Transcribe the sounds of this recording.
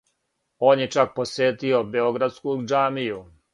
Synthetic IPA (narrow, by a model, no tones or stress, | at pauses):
o̞ːnjet͡ʃak̚po̞sjeːt̪io̞be̞oɡɾad̪skud͡ʒaːmiju